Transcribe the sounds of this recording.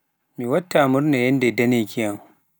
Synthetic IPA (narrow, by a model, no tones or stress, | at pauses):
miwɐtːamʊɾnajɛndedɐnekijaŋ